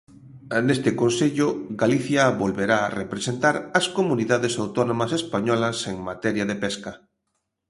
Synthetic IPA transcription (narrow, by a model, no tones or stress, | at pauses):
nest̪ɪkonseʎʊɡaliθjɐβolβeɾaːrepɾesent̪aɾɐskomuniðaðesawt̪ɔnõmɐsespaɲɔlɐseŋmat̪ɛɾjaðepɛskɐ